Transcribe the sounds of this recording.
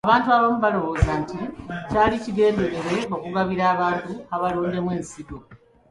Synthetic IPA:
aβaːntuaβomuβalo̞βo̞ːzanticaːliciɡe̞ːnde̞ɾe̞ɾe̞o̞kuɡaβiɾaːβaːntuaβaloːnde̞mwe̞ːnsido̞

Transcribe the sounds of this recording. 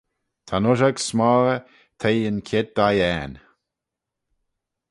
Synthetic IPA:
t̪ʰanʊʒaɡsmɔːɾə | t̪ʰejənkʰed̪̚d̥̪ajɛːn

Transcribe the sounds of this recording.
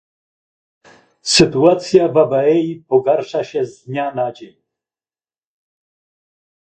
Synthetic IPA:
sɘt̪uat̪sʲjavabɛɛjipɔɡaɾʂaɕɛzd̪ɲanad͡ʑeɲ

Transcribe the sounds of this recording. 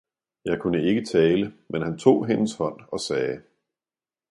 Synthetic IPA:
jɑ̈ɪkʰunəe̝ɡ̥ət͡sʰɛːləmenɦænt͡sʰo̝̰ːɦenəshɒ̽n̰ɒ̽sɛː

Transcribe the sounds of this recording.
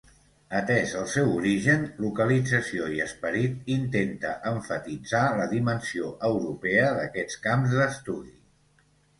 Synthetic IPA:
ət̪ɛzəlˠsɛwuɾiʒənlukəlid͡zəsioiəspəɾit̪int̪ent̪əʔəɱfət̪id͡zaləðimənsioʔəwɾupɛəðəkɛt͡skamzðəst̪uði

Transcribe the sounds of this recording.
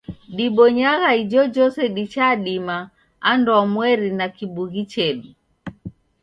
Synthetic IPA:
ɗiɓɔɲaɣaid͡ʒɔd͡ʒɔsɛɗit͡ʃaɗima | andamwɛɾinakiɓuɣit͡ʃɛɗu

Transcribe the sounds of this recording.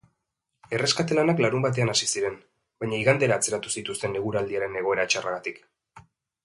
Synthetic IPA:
e̞re̞skat̪e̞lanaklaɾumbat̪̬e̞anasisiɾe̞n | bajɲaiɣand̪eɾaːt͡se̞ɾat̪usit̪ust̪e̞neɣuɾald̪iaɾe̞ne̞ɣ̞o̞e̞ɾat͡ʃaraɣat̪ik

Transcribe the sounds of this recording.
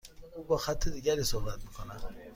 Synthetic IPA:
ubɔxat̪ʰːid̪iɡʲaɾisohbat̪mikʰona

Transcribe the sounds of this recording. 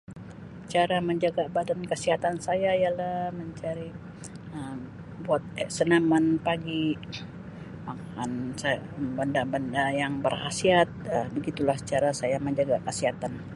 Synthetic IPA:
t͡ʃaɾaməɲd͡ʒaɡabadankəsiɦat̪ansajaijalaməɲt͡ʃaɾi | əm | buat̪̚sənamanpaɡi | makansabəndabəndajaŋbərha̰siat̪̚əbəɡit̪ulaht͡ʃaɾasajaməɲd͡ʒaɡakəsiɦat̪an

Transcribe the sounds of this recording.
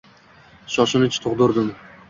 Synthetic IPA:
ʃɒʃɪnɪt͡ʃʰɪ̥t̪ʰʊqd̪ʊɾd̪ɪm

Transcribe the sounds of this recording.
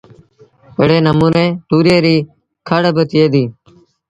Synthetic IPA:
pəɽeːnəmuːnẽːʈuːɾeːɾiː | kʰəɽbət̪ɪeːd̪iː

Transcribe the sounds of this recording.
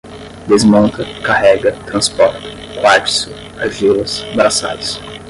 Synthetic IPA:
d̪ezmõnt̪ɐkahɛɡɐt̪ɾɐ̃spɔɾt̪ɐ̥ | kwat͡ʃsʊ | avilɐsbɾasa̰d̪ɐs

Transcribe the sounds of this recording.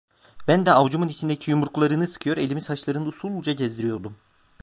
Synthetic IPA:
bænd̪ɛavd͡ʒumunit͡ʃʰind̪ecʰijumuɾklˠaɾɯnɯsɯ̥kʰɯjo̞ɾe̞lʲimizhaʃlˠaɾɯnɯusulˠd͡ʒaɟezd̪iɾijo̞ɾd̪um

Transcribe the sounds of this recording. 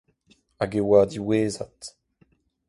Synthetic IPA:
aɡewaːd̪iweːza̰t̪

